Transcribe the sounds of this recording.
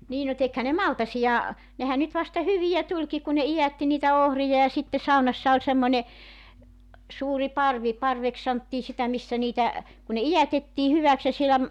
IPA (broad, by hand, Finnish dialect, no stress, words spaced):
niː no tekhæ ne mɑltɑsijɑ nehæ nyt ʋɑstɑ hyʋijæ tulʲki ku ne ijætːi niːtæ ohrijɑ jɑ sitːe sɑunɑsːɑ olʲ semːonʲe suːri pɑrʋi pɑrʋeks sɑntːiː sitæ misːæ niːtæ kun ne ijætetːiː hyʋæks jɑ sielæ